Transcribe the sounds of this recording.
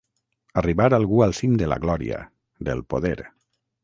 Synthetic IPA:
ariβaɾalˠɣualˠsimd̪ela̰ɣlɔɾḭa̰ | ðelˠpoðeɾ

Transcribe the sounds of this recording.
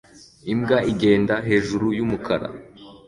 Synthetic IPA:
imɡaiɡe̞ːndaɦe̞ːʒuɾujumukʰaɾa̰

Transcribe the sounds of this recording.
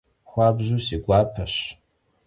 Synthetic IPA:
χʷabʒʷusiɡʷaːpʰɐʃ

